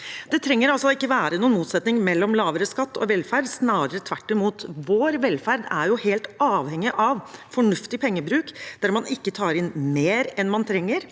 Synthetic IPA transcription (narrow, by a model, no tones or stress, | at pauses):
d̪̥ɛt̪ʰɾɛŋːəɾɑlsɔɪkːəʋæːɾənuːnmuːt̪sɛt̪nɪŋmɛlːɔmlɑːʋəɾəskɑt̪ːɔ̰ʋɛlfæɾɖ̪snɑːɾəɾət̪ʰʋæʈːɪmuːt̪ʋoːɾʋɛlfæɾd̪æɾjʊheːlt̪ɑːʋhɛŋːɪʔɑʋfɔɳʉft̪ɪpʰɛŋːəbɾʉːkdd̪̥æɾmɑnɪkːət̪ʰɑːɾɪnmeːɾɛnmɑnt̪ʰɾɛŋːəɾ